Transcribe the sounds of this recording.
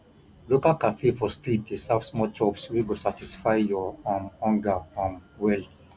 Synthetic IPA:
lokalkafefɔstidesavsmɔt͡ʃɔpswiɡosatisfaɪjɔamhɔ̃ŋɡaamwɛl

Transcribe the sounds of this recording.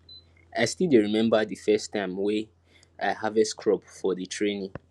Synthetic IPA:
aɪstideɹimɛ̃mbədɨfɛstʰːãɪ̃mwe | aɪhavɛskʰɹɔpfɔðɨtʰɹenĩ

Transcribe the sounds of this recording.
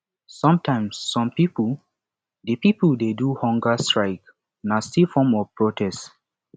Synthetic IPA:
sɔ̃mtʰãɪ̃msːɔ̃mpipul | dipipuldeduhɔ̃ŋɡastɹaɪk | nastifɔ̃mɔvpɹotʰɛst

